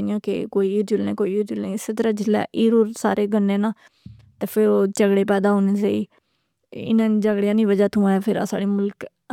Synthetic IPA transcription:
ɪjãːkḛkoːiiːɾd͡ʒʊlnẽːkoːiiːɾd͡ʒʊlnẽːɪseːt̪̬əɾãːd͡ʒɪlːɛ̰ːʔiːɾoːɾsa̰ːɾeːɡənːẽːnaː | t̪eːpʰɪɾoːt͡ʃəɡɽeːpɛːd̪aːɦoːneːd͡ʒaːiː | ɪ̰nãːniːd͡ʒəɡɽɪjãːnĩːʋəd͡ʒaːt̪ʰũːɛːpʰɪɾa̰sa̰ːɽiːmʊlk

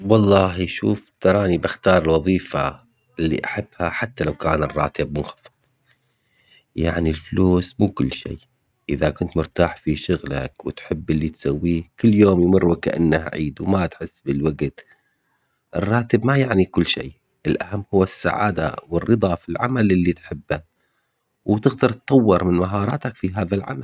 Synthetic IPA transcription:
wɑlˤːɑːhijʃuːft̪ɑɾˤɑːnibɪxt̪ɑːɾˤɪlwɑðˤiːfa̰ | ɪlːḭʔaħabːhaħat̪ːalawkaːnɪrˤːɑ̰ːt̪ɪb̚mʊnxɑ̥fɨðˤ | jaʕnilfluːsmuːkʊlːʃḛː | ʔɪðakʊnt̪mʊɾt̪aːħfiʃʊɣla̰kwɪt̪ħɪbːɪlːit̪sawːiːkʊlːjoːmjmʊrːwɪkaʔa̰nːahʕḭːd̪wmat̪ħɪsːbɪlwaɡt̪ | ʔɪrˤːɑːt̪ɪbmajaʕnikʊlːʃḛː | ʔɪlʔahamːhʊwːasːa̰ʕa̰ːd̪a̰wɪrːɨd̪ˤɑfilʕamalʔɪlːit̪ħɪbːa | wt̪ɪɣd̪ɑɾˤt̪ˤːɑwːɪɾˤmɪnmaɦɑːɾˤɑ̰ːt̪akfiɦaːðalʕa̰mal

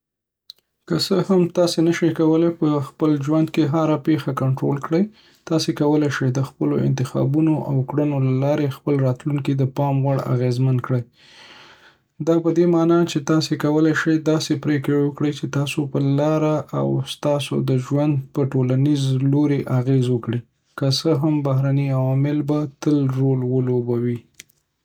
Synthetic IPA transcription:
kəsəhamt̪ɑsenəʃekawəlepəxpəlʒwand̪keɦaɾapexakaɳʈɾolkɽəj | t̪ɑsekawəlejʃəjd̪əxpəloɪ̰nt̪ɪxɑ̰bunoʔawkɽənolalɑɾexpəlɾɑt̪luŋkid̪əpɑmwaɽa̰ɣezmankɽəj | d̪ɑpəd̪emɑnɑt͡ʃet̪ɑsekawəlajʃəjd̪ɑsepɾekewəkɽəjt͡ʃet̪ɑsopəlɑɾaʔa̰wst̪ɑso̰d̪əʒwand̪̚pəʈolanizloɾeʔaɣezwəkɽi | kəsəɦambaɦɾaniawɑmɪlbat̪əlɾolwəlobawi

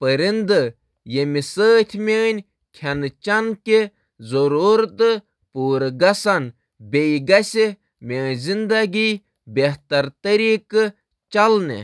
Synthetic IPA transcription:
pəɾind̪ɨ | jemisəːt̪ʲʰmʲeːnʲ | kʲʰɐnt͡ʃɐnke | zoɾuɾt̪ɨ | puːɾɡɐsɐn | bʲejɡɐsʲe | mʲeːnʲzind̪ɐɡi | bʲeht̪ɐɾt̪ɐɾiːkɨ | t͡ʃɐlnḛ

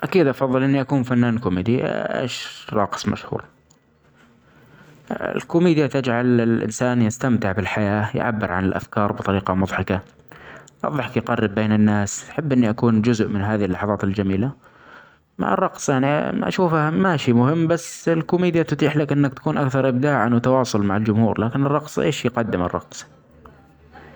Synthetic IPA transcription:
ʔakiːd̪ʔɑfɑðˤːɨlʔɪnːiʔakuːnfanːaːnkʊmiːd̪iʔḛːʃɾˤɑ̰qsˤma̰ʃhṵːɾ | ɪ̰lkʊmiːd̪jat̪ad͡ʒʕalɪlʔɪ̰nsaːnjɪst̪amt̪ɪʕbɪlħajaːj̰ʕa̰bːɪɾʕa̰nɪlʔa̰fkɑːɾˤbɨt̪ˤɑɾiːqɑmʊðˤħɑka | ʔɑ̰ðˤɑħkjqɑrːɪbːeːnɪnːaːsħɪbːʔɪnːiʔakuːnd͡ʒʊzʔmɪnɦaːðihɪlːɑħɑðˤɑːt̪ɪld͡ʒamiːla | ma̰ʕɑ̰rˤːɑqsˤjaʕniʔa̰ʃuːfhamaʃiːmʊhɪmːbasːɪlkʊmiːd̪jat̪ʊt̪iːħlakʔɪnːakt̪ḁkuːnʔakθɑɾˤʔɪb̚d̪aːʕanwt̪ɑwɑːsˤʊlmaʕald͡ʒʊmhuːɾlaːkɪnɪrˤːɑqsˤʔeːʃjqɑd̪ːɪmɪ̰rˤːɑ̰qsˤ

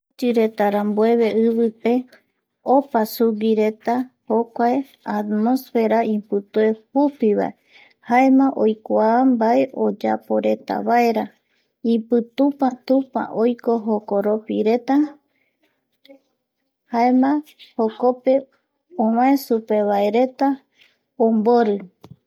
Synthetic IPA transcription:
t͡ʃɨɾe̞t̪aɾambue̞βe̞ɨβɨpe̞ | opasuɡiɾe̞t̪ahokʷae | at̪mosfe̞ɾaĩpɨt̪ue̞hupiβa̰e | hae̞mãʔo̞jkʷambae̞ʔo̞d͡ʒapo̞ɾe̞t̪a̰βae̞ɾa | ĩpɨt̪upãt̪ũpa̰ʔojko̞ɦokoɾopiɾe̞t̪a | hae̞mãhokope̞ | õwãẽsupe̞βaeɾe̞t̪a | õmboɾɨ

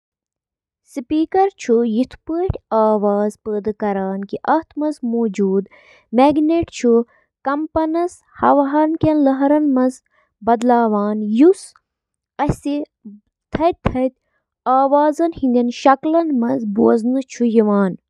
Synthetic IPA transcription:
sɨpiːkɐɾt͡ʃʰujit̪ʰpəːʈʲaːʋaːzpəːd̪ɐkɐɾaːnkiʔɐht̪ʰmɐnzmoːd͡ʒuːd̪ | meːɡneːʈt͡ʃʰu | kɐmpɐnɐs | hɐ̰ʋaɦɐnkʲenlɐɦɾɐnmɐnz | bɐd̪laːʋaːnjus | ɐsi | t̪ʰɐt̪ʰɐt̪ʲ | aːʋaːzɐnhĩnd̪ʲɐnʃɐklɐnmɐnzboɐznɨt͡ʃʰujiʋaːn

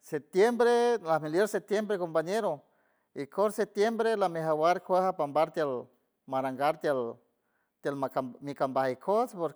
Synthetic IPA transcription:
sep̚t̪jembɾelahmiljeɾsep̚t̪jembɾekompaɲeɾo | ikʰoɾsep̚t̪jembɾelameɦawaɾkʷahapambaɾt̪jel | maɾaŋɡaɾt̪jel | t̪elamikambahikʰospoɾ

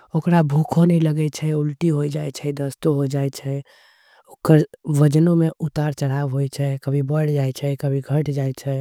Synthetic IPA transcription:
okɾabʱukʰonɛləɡɛt͡ʃʰɛulʈiɦojd͡ʒajt͡ʃʰɛd̪əst̪oɦod͡ʒajt͡ʃʰɛ | okəɾʋəd͡ʒnomeʔut̪aɾt͡ʃəɽ̤aʋɦojt͡ʃʰɛkəbʱibəɽd͡ʒajt͡ʃʰɛkəbʱiɡʱəʈd͡ʒajt͡ʃʰɛ

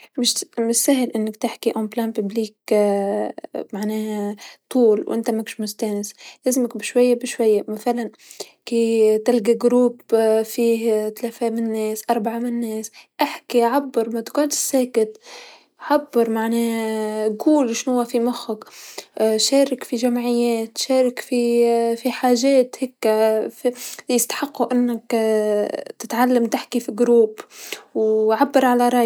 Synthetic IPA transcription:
mɪʃmɪʃsaːɦɪlʔɪnːɪkt̪ɪħkiʔomplaːnpɪbliːk | maʕneːht̪ˤuːlwʔɪ̰nt̪amakʃmʊst̪aːnɪslɪzɪmɪkbɪʃwajːabɪʃwajːamaθalan | kiːt̪ɪlɡaɡɾuːbfiːt̪alaːfemɪnnːeːsʔɑɾˤbaʕamɪnːeːsʔaħkiʕabːɨɾˤmat̪kunt̪ɪ̥sːeːkɪt̪ | ʕabːɪɾˤmaʕneːɡuːlʃnhʊwːafimʊxʊk | ʃeːɾɪkfiʒamʕɪjːeːt̪ʃeːɾɪkfifiħaːʒeːt̪hekːfjɪst̪ḁħɪqːuʔɪnːak | t̪ɪt̪ʕalːamt̪ɪħkifiɡɾuːbwʕabːɑɾˤʕalaɾˤɑʔj

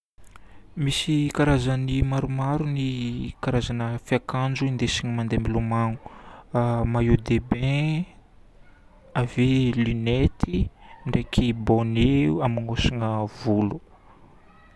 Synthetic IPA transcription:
misikaɾazanimaɾumaɾunikaɾazanəfiakand͡ʒuind̪esiɲimand̪embilumaŋu̥ | majud̪ebẽ | avelynet̪iɳɖ͡ʐekʰiboneuamiŋosiŋəvulu

